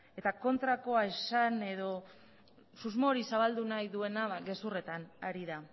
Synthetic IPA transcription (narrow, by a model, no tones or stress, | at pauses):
e̞t̪ako̞nt̪ɾako̞aesane̞ðo̞ | suzmo̞ːɾisaβald̪unajðue̞naɡe̞sure̞t̪anaɾiða